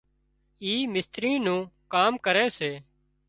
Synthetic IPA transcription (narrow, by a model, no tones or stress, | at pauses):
iːmɪst̪ɾĩːnũːkaːmkəɾeːseː